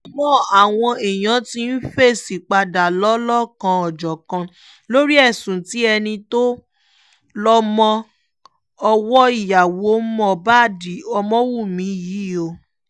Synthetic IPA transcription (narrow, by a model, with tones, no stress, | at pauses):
mɔ̃˦a˨w̃ɔ̃˧e˨j̃ã˨˦ti˧˦n̩˦fe˦˨si˨k͡pa˧da˨lɔ˦lɔ˦˨kã˧ɔ˨d͡ʒɔ˨kã˧ | lo˦ɾi˦ɛ˦˨sũ˨ti˨˦ɛ˧nĩ˧to˦ | lɔ˦mɔ̃˧ | ɔ˧wɔ˦i˦˨ja˨wo˨˦mɔ̃˦˨ba˦˨di˨˦ɔ˧mɔ̃˦wu˦˨mĩ˨˦ji˨˦o˧